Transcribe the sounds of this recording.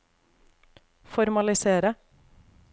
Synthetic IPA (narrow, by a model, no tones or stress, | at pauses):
fɔɾmɑlɪseːɾə